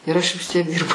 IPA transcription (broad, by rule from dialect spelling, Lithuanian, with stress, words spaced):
ɪr ˈɐʃ ʋʲɪs ˈtʲiɛk ˈdʲɪrbɐʊ